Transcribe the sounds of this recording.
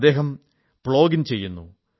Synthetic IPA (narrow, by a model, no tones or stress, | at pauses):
d̪ːe̞ːɦɐm | pɭo̞ːɡint͡ɕe̞jːunːṵ